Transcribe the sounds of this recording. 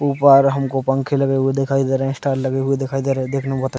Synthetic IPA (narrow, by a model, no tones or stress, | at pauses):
uːpəɾɦɐmkopɐ̃ŋkʰelɐɡeɦʊed̪ɪkʰaːid̪eːɾɦẽsʈaːɾlɐɡeɦʊed̪ɪkʰaːid̪eɾẽd̪eːkʰnepɐt̪